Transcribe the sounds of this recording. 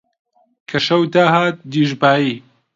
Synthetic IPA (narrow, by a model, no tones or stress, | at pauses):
kʰɐʃɐwt̪aːɦaːt̪̚d̪iːʒbaːiː